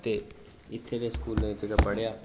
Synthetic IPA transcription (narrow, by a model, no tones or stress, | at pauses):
t̪e | ɪt̪ʰːeneskuːlnẽd͡ʒəɡapəɽjaː